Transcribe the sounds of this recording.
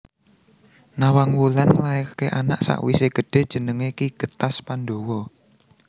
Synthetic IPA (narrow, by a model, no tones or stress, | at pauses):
nawaŋwulanlaekakeʔana̰ʔsa̰ʔwiseɡ̥ə̤ɖ̥e̤d̥ʒ̥ə̤nəŋekiɡ̥ə̤t̪aspandowɔ